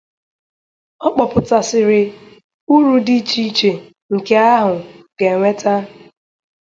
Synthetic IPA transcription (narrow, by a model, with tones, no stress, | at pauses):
ɔ˦k͡pɔ˨pʊ˨ta˨sɪ˨ɾɪ˨ | u˦ɾu˦di˦t͡ʃi˦t͡ʃe˨ | ŋ̩˨ke˦a˦ɦʊ˨ɡ̥e˨ŋʷe˦ta˦